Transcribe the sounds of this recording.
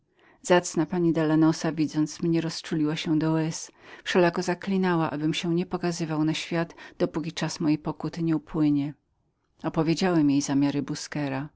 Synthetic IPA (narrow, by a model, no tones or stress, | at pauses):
z̥at̪snapaɲid̪alanɔsavʲid̪zɔnt̪smɲɛɾɔst͡ʂulʲiwaɕɛd̪ɔwɛsfʂɛlakɔzaklʲinawaʔabɘmɕɛ̃ɲɛpɔkazɘvawnaɕfʲjad̪d̪̥ɔpukʲit͡ʂasmɔjejpɔkut̪ɘɲɛupwɘɲɛ | ɔpɔvʲjed͡ʑawɛmjejzamʲjaɾɘbuskɛɾa